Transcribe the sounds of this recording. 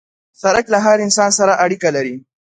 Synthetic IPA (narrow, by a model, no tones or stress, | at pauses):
sɐɾɐklaɦaɾɪnsaːnsɐɾaʔaɽikɐlɐɾiː